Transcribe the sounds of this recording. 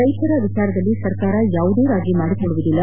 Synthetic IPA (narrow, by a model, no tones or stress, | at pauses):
ɾɐjt̪ɐɾɐʋit͡ʃaːɾɐd̪ɐlːisɐɾkaːɾɐjaːʋud̪eːɾaːɡimaːɽikoɭuʋud̪ilːɐ